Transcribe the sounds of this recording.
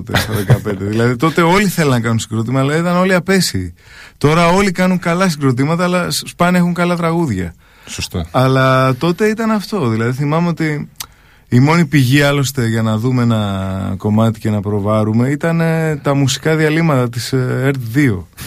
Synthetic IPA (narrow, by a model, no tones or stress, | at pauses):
t̪esɐðekɐpend̪e̞ðilɐðit̪o̞t̪e̞o̞liθe̞lɐnɐkɐnunsiɡɾot̪imɐlɐɐit̪ɐno̞liɐpesit̪o̞ɾɐo̞likɐnuŋkɐlɐs̬iɡɾo̞t̪̬imɐt̪ɐɐlɐsspɐne̞xuŋkɐlɐt̪ɾɐɣuðʝɐ̰ | sost̪ɐɐlɐt̪o̞t̪e̞it̪ɐnɐft̪o̞ðilɐðiθimɐme̞o̞t̪iː | mo̞nipiʝiɐlo̞st̪e̞ʝɐnɐðumeenɐko̞mɐt̪ice̞nɐpɾo̞vɐɾume̞it̪ɐnet̪ɐmusi̥kɐðiɐlimɐt̪ɐt̪iseɾt̪ðio̞